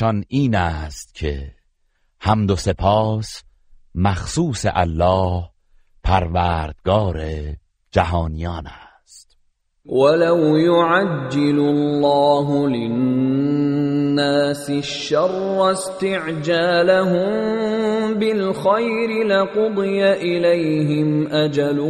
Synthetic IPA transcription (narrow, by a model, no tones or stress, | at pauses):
ɒniːnæːst̪cʰe̞̰ | hæmd̪ose̞pʰɒːs | mæxsuːsḛʔæ̰lːɒːh | pʰæɾvæːɾd̪̥̚ɡɒːɾe | d͡ʒæɦɒːnijɒːnæ | st̪̚ | walawjʊʕad͡ʒːɪlʊlːɑːɦʊlɪnnː | aːsɪʃːɑrˤːast̪ɪʕd͡ʒaːlaɦʊm | bɪlxajɾɪlɪqʊd̪ˤɨjaʔɪlejɦɪmʔad͡ʒal